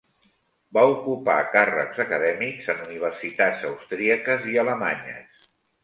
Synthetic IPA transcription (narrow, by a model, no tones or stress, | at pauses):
baukupa̰karə̰kz̥əkəðɛmikzənuniβ̞ərsit̪ad͡zəwst̪ɾiəkəziələma̰ɲə̰s